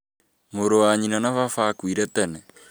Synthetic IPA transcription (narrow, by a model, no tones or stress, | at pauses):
moɾowaɲinanafafakwiɾɛtɛnɛ